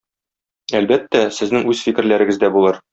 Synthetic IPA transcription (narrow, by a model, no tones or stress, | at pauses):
ælbæt̪ːæsɘ̆znɘŋʉzfikɘ̆ɾlæɾɘ̆ɡɘ̆zd̪æbulˠɤɾ